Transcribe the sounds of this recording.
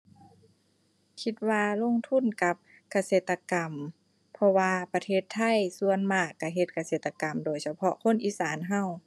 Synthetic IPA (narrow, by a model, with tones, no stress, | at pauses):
kʰi˧t̪̚waː˧lo˧˥˨ŋt̪ʰu˧˥˨nka˧˦p̚ | ka˧seː˧˩t̪ːa˧ka˨m | pʰɔ˧waː˧pa˧t̪ʰeː˧˩t̪ʰːa˧˥˨jsu˧ənmaː˧˩kːa˧˩ɦe˧˦t̪̚ka˧seː˧˩t̪ːa˧ka˨˩mdoː˨˩jsa˧pʰɔ˧kʰo˧˥˨nʔiː˧˨saː˨˦nɦa˧˩˨w